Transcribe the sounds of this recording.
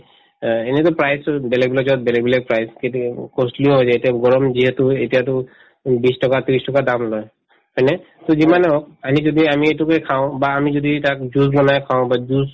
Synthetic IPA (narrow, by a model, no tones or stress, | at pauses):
enɛtʊpɹajsbɛlɛɡ̚bilɛzɔt̚bɛlɛɡbɛlɛk̚pɹajskekɔsliɔɦɔjzajetiaɡɔɹɔmziɦɛtʊetijatʊ | bistɔkatɹistɔkadamlɔj | hɔjnɛ | tozimanɛɔk̚amizodiamietukekʰaʊ̃baːmizoditak̚zuzlɔnajkʰaʊ̃bazuz